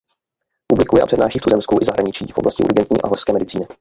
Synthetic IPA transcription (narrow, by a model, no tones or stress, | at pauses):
publɪkujɛʔa̰pr̥ɛdnaːʃiːft̪uzɛmskuʔɪzaɦɾaɲɪt͡ʃḭːfʔoblʔascɪ̰ʔɾɡɛnt̪ɲḭːʔa̰ɦɔskɛːmɛdɪt͡siːnɪ